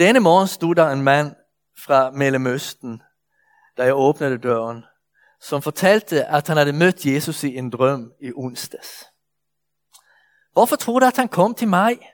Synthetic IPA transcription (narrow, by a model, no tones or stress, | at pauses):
d̪̥ɛnəmɔːn̩st̪uːd̪d̪æeːnmɑnː | fʁɑmɛləmʉst̪n̩ | d̪̥æːjæɪoːpnəd̪əd̪øːʁən | sɔmfɔt̪ʰɛlt̪ʰəʔɑt̪hɑnhɑd̪əmœt̪ʰːjeːsʉsiend̪ʁœmiʔʊnsd̪ɑs | ʋʊfɔt̪ʰʁuːd̪ʉæt̪hɑnkʰɔmt̪ʰɪlmɑɪ